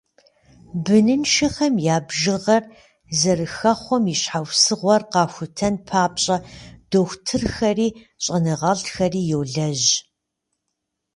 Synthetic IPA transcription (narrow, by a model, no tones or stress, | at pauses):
bɨnɨnʃɐxɐmjaːbʒɨʁɐr | zɐrɨxɐχʷɔmiɕħawsɨʁʷɔrqɑːxʷʊtʰɐnpʰaːpɕʼɐd̥oːxʷtʰɨrxɐriː | ɕʼɐnɨʁɐɮtxɐriːjɛwɮɐʑ